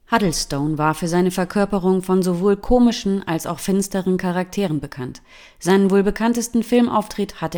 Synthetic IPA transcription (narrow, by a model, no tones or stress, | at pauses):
hadl̩stoʊnvaːɐfyːɐzaɪnəfɛɐkʰœɐpəʁʊŋfɔnzovoːlkʰoːmɪʃn̩alsa̰ʊxfɪnstəʁənkʰaʁ̞ak̚tʰeːʁənbəkʰant | z̥aɪnənvoːlbəkʰantəstn̩fɪlmʔa̰ʊftʁ̥ɪthatə